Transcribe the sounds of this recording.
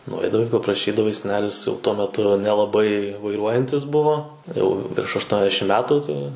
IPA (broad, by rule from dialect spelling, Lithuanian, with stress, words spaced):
nʊˈɐɪdɐʋɐɪ pɐprɐˈʃʲiːdɐʋɐɪ sʲɛˈnʲæːlʲɪs jɛʊ ˈtuɔ mʲɛˈtʊ nʲɛlˠɐˈbɐɪ ʋɐɪˈruɔjɛnʲtʲɪs ˈbʊʋoː jɛʊ ʋʲɪrʃ ɐʃˈtuɔnʲɛzʲdʲɛʃʲɪm ˈmʲæːtʊ tɐɪ